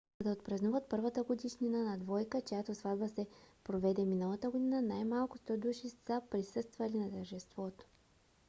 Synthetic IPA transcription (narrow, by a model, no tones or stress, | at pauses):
d̪ɐot̪pɾɐznuvət̪̚pɤɾvət̪əɡod̪iʃninənɐd̪vɔjkət͡ʃɛjat̪osvad̪vəsɛpɾovɛd̪ɛminəlˠət̪əɡod̪inənajmalˠkʊst̪ɔd̪uʃissəpɾisɤst̪vɐlinɐt̪əɾʒɛst̪vɔt̪o̥